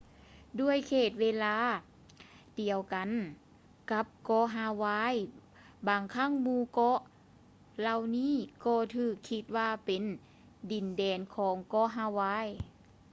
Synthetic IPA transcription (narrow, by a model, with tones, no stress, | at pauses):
du˧˨əjkʰeː˧˩t̪̚weː˧˥laː˧˥˨ | di˨˩əwka˨n | ka˧˦˥p̚kɔː˧˥ɦaː˧waː˧˥j | baː˨ŋkʰa˧˥˨ŋmuː˧˨kɔ˧˥ʔ | la˧wniː˥˨kɔː˧˩t̪ʰɯː˧˩kʰːi˧˦t̪̚waː˧˨pe˨n | di˨˩ndɛː˨˩nkʰɔː˨˦ŋkɔː˧˥˨ɦaː˧waː˧˥˨j